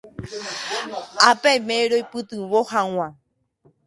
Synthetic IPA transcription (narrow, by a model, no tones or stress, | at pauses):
apemẽɾojpɨt̪ɨβohãw̃ã